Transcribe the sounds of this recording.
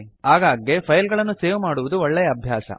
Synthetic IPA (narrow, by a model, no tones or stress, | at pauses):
ɦaːɡaːɡepʰɐjlɡɐɭɐnːuseːʋumaːɽuʋud̪uɔɭːɛjɐːbʱjaːsɐ̰